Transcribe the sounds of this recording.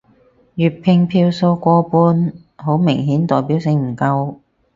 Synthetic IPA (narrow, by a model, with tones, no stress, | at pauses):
jyː˨t̚pʰɪ˧ŋpʰiː˧wso˧wkʷɔː˧puː˧n | ɦo˨˥wmɪ˨˩ŋɦiː˨˥nt̪ɔː˨jpi˨˥wsɪ˧ŋm̩˨˩kɐ˧w